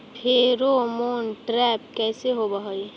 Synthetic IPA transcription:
pʰeɾomoːnʈɾɛp̚kɛːseɦobəɦoj

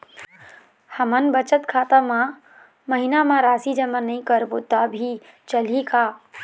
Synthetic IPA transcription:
həmənbət͡ʃət̪kʰaːt̪amã | məɦinamãɾaːsid͡ʒəmanɐĩkəɾbʊt̪abʱi | t͡ʃəl̤ikaː

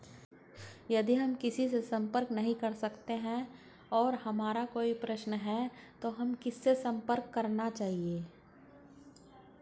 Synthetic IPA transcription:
jɐd̪iɦɐmkɪsisesɐ̃mpəɾknɐɦĩkɐɾsɐkt̪eɦɛ̃ | ɔːɾhɐmaːɾakoːipɾɐʃnɦɛt̪oɦɐmkɪsːesɐ̃mpəɾkːɐɾnat͡ʃaːɦieː

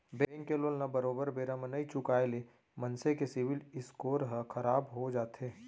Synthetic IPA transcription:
bɛ̃ːŋkːeloːlnɐbəɾoːbəɾbeːɾamənɐit͡ʃʊkaːele | mɐnsekesɪʋɪlɪskoːɾɦəkʰɐɾaːbɦod͡ʒaːt̪ɦeː

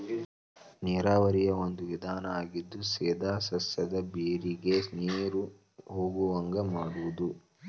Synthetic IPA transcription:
niːɾaːʋɐɾijɐond̪uʋid̪ʱaːnɐaːɡid̪ːusɛːd̪ʱaːsɐsɐd̪ɐbeːɾiɡe̞sneːɾu | ɦoːɡuʋɐŋɡɐmaːɽuʋud̪u

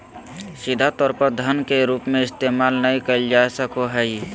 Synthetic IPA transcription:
sɪd̪ʱat̪ɔːɾpəɾd̪ʱənkeɾuːpmẽɪst̪eːmaːlnəɦĩkəld͡ʒaːsəkoɦɛ

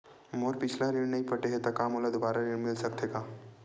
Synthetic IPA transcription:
moːɾpɪt͡ʃʰlaɾɪɽ̃nɐɦĩpɐʈeɦet̪ɐkaːmoːlad̪obaːɾaɾɪɽmɪlsɐk̚t̪eːɡaː

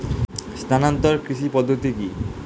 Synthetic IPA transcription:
st̪ʰanant̪ɔɾkɾiʃipɔd̪ʱːot̪iki

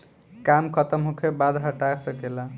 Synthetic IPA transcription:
kamkʰət̪əmɦokʰebad̪ʱɦəʈasəkela

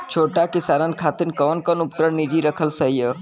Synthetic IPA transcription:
t͡ʃʰoːʈakɪsaːɾənkʰaːt̪ɪnkɔːnkənʊpt̪ɾəɽnid͡ʒiɾəkʰəlsəɦijə

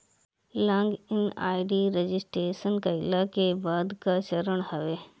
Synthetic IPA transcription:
lãːŋɡɪna̰ːɪɖiɾed͡ʒɪsʈeːʃənkɐɪlakebaːd̪kat͡ʃəɾəɽ̃ɦɐʋeː

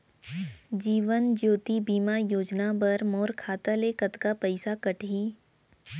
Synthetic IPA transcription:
d͡ʒiːʋənd͡ʒoːt̪ibiːmajoːd͡ʒnabɐɾmoːɾkʰaːt̪alekət̪kapɐɪsakɐʈiː

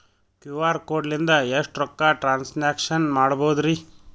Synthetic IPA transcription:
kjuːʋaːɾkoːɖlind̪ɐeʂʈɾɔkːaːʈɾaːnsnaːkʂɐnmaːɽboːd̪ɾi

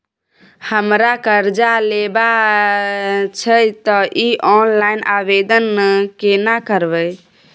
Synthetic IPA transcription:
həmɾakəɾd͡ʒaleba | t͡ʃʰət̪ɔʔiʔɔnlainʔabed̪ənːekenakəɾbə

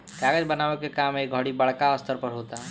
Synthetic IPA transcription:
kaːɡəd͡ʒbənaːʋekekaːmeːk̚ɡʱɔɽibəɭkaəst̪əɾpəɾɦoːt̪aɦɛ

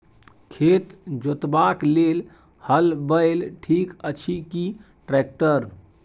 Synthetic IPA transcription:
kʰet̪d͡ʒot̪baklel | həlbəɪlʈʰikət͡ʃʰiki | ʈɾɛk̚ʈəɾ

